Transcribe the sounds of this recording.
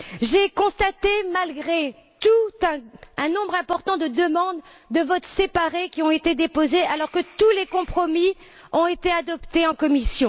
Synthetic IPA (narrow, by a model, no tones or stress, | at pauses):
ʒekɔ̃st̪at̪emalɡʁe | t̪ut̪ɛ̃ɛ̃nɔ̃bʁɛ̃pɔʁt̪ɑ̃d̪əd̪əmɑ̃d̪ː | əvɔt̪sepaʁekʲiɔ̃et̪ed̪epozealɔʁkət̪ulekɔ̃pχɔmi | ɔ̃et̪ead̪ɔpt̪eɑ̃kɔmisjɔ̃